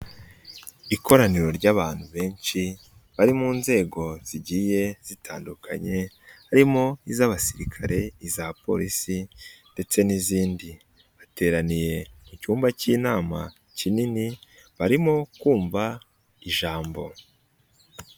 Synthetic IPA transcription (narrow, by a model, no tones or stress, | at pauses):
ikʰo̞ɾaniɾo̞ɾɟaːβaːn̥huβe̞ːnt͡ʃi | βaɾimuːnze̞ːɡo̞z̥iɟiːje̞z̥itʰaːndukʰa̰ɲe̞ | haɾimo̞izaβasiɾikʰaɾe̞izapo̞̰ɾisinde̞t͡se̞niziːndi | βate̞ːɾanije̞mucuːmbaciːnaːma | cinini | βaɾimo̞kuːɱva | iʒaːmbo̞